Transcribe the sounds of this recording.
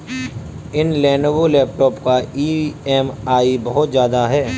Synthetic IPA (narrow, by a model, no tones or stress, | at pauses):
ɪnlɛ̃ːnobolɛːp̚ʈɔːpkaiːɛːmaːibɐɦʊt̪zjaːd̪aɦɛː